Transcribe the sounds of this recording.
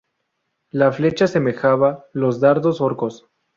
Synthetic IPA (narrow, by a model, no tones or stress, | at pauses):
lafle̞t͡ʃase̞me̞xaβalo̞zðaɾðo̞so̞ɾko̞s